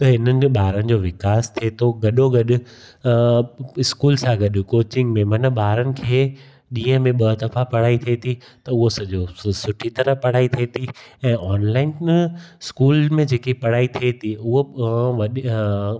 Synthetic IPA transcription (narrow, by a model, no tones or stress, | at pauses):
t̪ɐɦɪnənɪ̆ɓaːɾənɪ̆d͡ʑoːʋɪkaːst̪ʰiet̪ʰoɡɐɗoɡɐɗʊ̆ | ɪskuːlsãɡɐɗkoːt͡ɕɪ̃ŋɡmẽmɐnəɓaːɾənɪ̆kʰeː | ɗĩːə̃mẽɓɐt̪ɐfapɐɽ̤aːit̪ʰiet̪ʰi | t̪ɐʊɦosɐʄosʊʈʰit̪ɐɾəpɐɽaːit̪ʰiet̪ʰiɛ̃ːʔɔːnlaːɪnskuːlmẽd͡ʑeːkipɐɽ̤aːit̪ʰiet̪ʰiʊɦoʋɐɗ